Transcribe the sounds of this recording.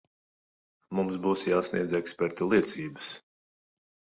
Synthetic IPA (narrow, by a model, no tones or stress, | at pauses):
mumsbuːsjaːsniɛd̪zɛkspɛɾt̪ulˠiɛt̪siːbəs